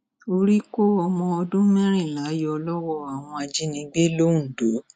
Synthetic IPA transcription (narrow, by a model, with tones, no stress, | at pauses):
o˧ɾi˦ko˦ɔ˧mɔ̃˧ɔ˧dũ˦mɛ̃˦ɾ̃ĩ˦˨la˨˦jɔ˧˦ɔ˧lɔ˦wɔ˦˨a˨w̃ɔ̃˧a˧d͡ʒi˦nĩ˧˦ɡ͡be˦lo˦ũ˦˨do˨˦